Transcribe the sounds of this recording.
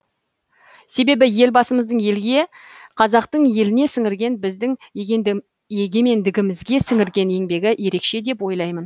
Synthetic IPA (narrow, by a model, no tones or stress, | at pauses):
se̞be̞bɪje̞lbɑsəməzd̪əɴje̞lɡʲe̞qʰɑzɑqt̪əɴje̞lɪne̞sɪŋɪɾɡʲe̞nbɪzd̪ɪŋ | eɡʲe̞me̞nd̪ɪɡʲɪmɪzɡʲe̞sɪŋɪɾɡʲe̞ne̞ŋbe̞ɡʲɪʔje̞ɾe̞kʃe̞d̪e̞pwo̞jlˠɑjmən